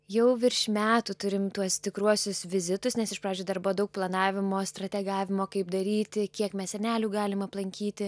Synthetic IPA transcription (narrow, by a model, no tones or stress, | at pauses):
jɛʊʋʲɪɾʲʃʲmʲæːt̪ut̪ʊɾʲɪmt̪uɔst̪ʲɪkɾuɔsʲʊsʋʲɪzʲɪt̪ʊsnʲɛsɪʃpɑːd͡ʒʲoːd̪ɐrbʊʋoːdɐʊk̚plˠɐnɑːʋʲɪmoːst̪ɾɐt̪ʲɛɡɑːʋʲɪmoːkɐɪpd̪ɐɾʲiːt̪ʲɪkʲiɛkmʲɛssʲɛnʲæːlʲuːɡɑːlʲɪmɐplˠɐŋʲkʲiːt̪ʲɪ